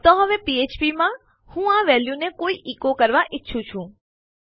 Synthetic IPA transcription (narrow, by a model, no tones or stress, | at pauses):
t̪ɔ̃ɦəʋepiet͡ʃpimã | hũãʋɛljunekoiʔikokəɾʋaʔɪtːʃʰũt͡ʃʰũ